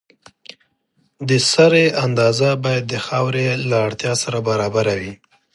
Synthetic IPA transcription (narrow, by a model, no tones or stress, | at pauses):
d̪əsaɾeand̪ɑzabɑjad̪ːəxawɾelaːɽt̪jɑsaɾabaɾɑbaɾawi